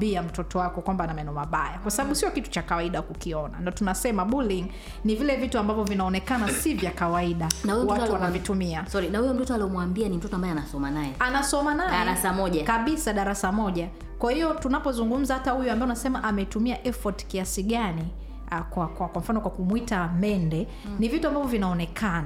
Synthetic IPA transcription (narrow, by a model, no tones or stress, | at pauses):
biam̩tɔtɔwakɔkwambanamaɛnɔmaɓajakwasaɓaɓusiɔkitu̥t͡ʃakawaiɗakukiɔna̰ndatunasɛmaɓuliŋ | nivilɛvituambavɔvinaɔnɛkanasivjakawaiɗanahumwawanavitumiasɔɾinahujɔm̩tɔtɔaliɔmwambianim̩tɔtɔambaɛanasɔmanajɛanasɔmanajaɾasamɔʄakaɓisaɗaɾasamɔʄa | kwahijɔtunapɔzuŋɡum̩zahatahujambaɛunasɛmaʔamɛitumiaʔɛfɔti̥kiasiɠani | kwakwakwam̩fanɔkwakumwitamɛndɛ | nivituambavɔvinaɔnɛkʰana